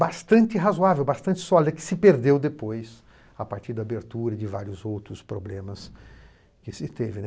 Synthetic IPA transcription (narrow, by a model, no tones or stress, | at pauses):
bast̪ɐ̃nt͡ʃɪɦazoavewbast̪ɐ̃nt͡ʃɪ̥sɔlid̪ɐkɪ̥sɪpeɾd̪ewd̪epojs | apaɾt͡ʃiɾd̪ɐabeɾt̪uɾɐd͡ʒɪva̰ɾjʊzowt̪ɾʊspɾoblẽmɐs | kɪsɪt̪evɪnɛ